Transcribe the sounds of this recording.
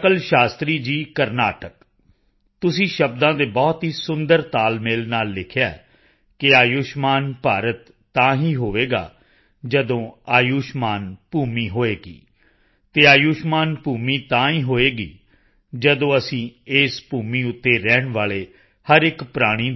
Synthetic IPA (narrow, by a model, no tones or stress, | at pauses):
kəlʃaːst̪ɾiːd͡ʒiːkəɾnaːʈək | t̪ʊsĩːʃəbd̪ãːd̪eːbɔːt̪ɦiːsʊnd̪əɾt̪aːlmeːlnaːlːɪkʰjaːɛ̰ | kɪaːjuːʃmaːnpaːɾət̪ːãːɦiːɦoːʋeːɡa̰ː | d͡ʒəd̪õːaːjuːʃmaːnpuːmiːɦoːeːɡḭː | t̪eːaːjuːʃmaːnpuːmiːt̪ãːiːɦoːeːɡḭː | d͡ʒəd̪õːəsĩːeːspuːmĩːʊt̪ːeːɾɛːɳʋaːleː | həɾɪkpɾaːɽ̃iː